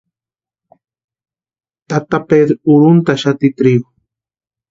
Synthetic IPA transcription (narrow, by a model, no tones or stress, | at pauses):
t̪at̪aped̪ɾʊɾʊnt̪aʃat̪it̪ɾiɡʊ